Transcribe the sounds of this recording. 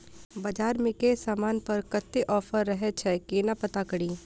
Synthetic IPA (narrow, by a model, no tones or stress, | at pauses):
bɐd͡ʒaːɾmɪkesaːmaːnpɐɾkɐt̪ːeʔɔːfʰəɾːɐɦɛt͡ʃʰɛkeːnapət̪akəɽiː